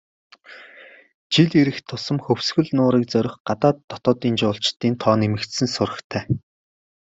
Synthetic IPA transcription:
t͡ɕiɮiɾɘ̆xt̪ʰʊsə̆mxɵwsɡɵ̆ɮnʊːɾiːk̚t͡sœɾʲɪ̆χɢat̪aːt̪ːɔt̪ɔːt̪iːnt͡ɕʊːɬt͡ɕt̪ːiːnt̪ʰɔːnemɘ̆kt̪sɘ̆nsʊrə̆xt̪ʰæː

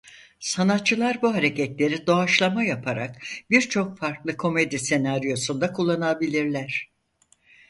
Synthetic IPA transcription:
sanat̪̚t͡ʃʰːɯlˠaɾbuɦaɾe̞cɛt̪lʲe̞ɾid̪o̞aʃlˠamajapʰaɾa̰k̚biɾt͡ʃʰo̞kfaɾklˠɯkʰo̞me̞d̪ise̞naɾijo̞sund̪akʰulˠːanabilʲiɾlʲæɾ̝̥

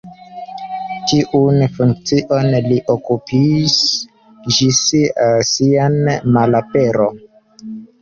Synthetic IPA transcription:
tiʔunfuŋk̚t͡siʔo̞nliʔokupis | d͡ʒissianmalapeɾo

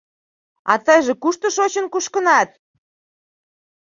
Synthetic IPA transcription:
ɑ̰t̪əjʒĕkuʃt̪ə̆ʃot͡ɕənkuʃkənɑt̪̚

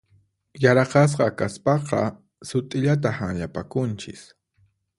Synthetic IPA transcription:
jaɾɑqɑs̬qɑkaspɑqɑ̰ | sʊt̪ʼɪʎat̪̬ahaŋʎapakʊnt͡ʃɪ̰s

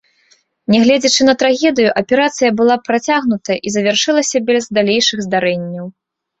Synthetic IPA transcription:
nʲɛɣlʲɛd͡zʲɐt͡ʂɨnɐt̪ɾaɣʲɛd̪ɨjuʔɐpʲɛɾat̪sɨjɐbɨlˠapɾat͡sʲaɣnut̪ɐjɐʔizɐvʲarʂɨlˠɐsʲɐbʲɛzd̪alʲejʂɨɣzd̪aɾɛnʲːɐw

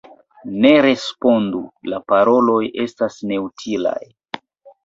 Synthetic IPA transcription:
ne̞ɾe̞spo̞ndulapaɾo̞lo̞jʔe̞stasne̞utʰila̰j

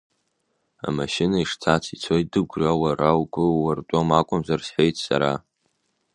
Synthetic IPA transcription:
a̰maʃinaiʂtʰat͡sʰit͡sʰojt̚dɨɡʷrawarawkʷʼʊwartʷʼomakʷʼʊmzarsħejtʰʼsa̰ɾa

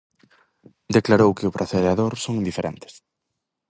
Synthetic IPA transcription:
d̪eklaɾowkɪʊpɾʔaθeðeaðoɾsoŋd̪ifeɾḛnt̪ɪ̥s

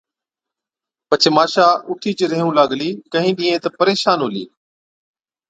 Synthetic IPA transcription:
pət͡ʃʰɪmaːʃaːʔʊʈʰiːt͡ʃɪɾɪɦũːlaːɠliːkəɦĩːɗĩːẽːt̪ɐpəɾeːʃaːnɦʊːlḭː

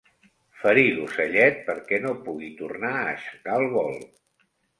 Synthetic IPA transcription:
fəɾilusəʎɛt̪̚pəɾkɛnopuɣit̪urnaəʃə̥ɣalˠβɔlˠ

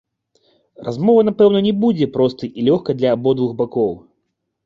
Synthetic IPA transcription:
ra̰zmɔvɐnapɛwnɐnʲɛbud͡zʲɛpɾɔst̪ɨʔilʲɔxkɐd̪lʲɐːbɔd̪vuɣbakɔw

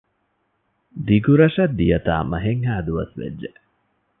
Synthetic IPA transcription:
d̪iɡuɾɐʃɐd̪ːijɐt̪a̰ːmɐɦeŋɦæːd̪uʋɐ̰sʋḛd͡ʒːe

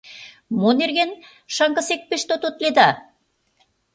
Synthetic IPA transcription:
monerɣen | ʃɑŋkɑ̆sek̚peʃt̪ot̪ot̪led̪ɑ

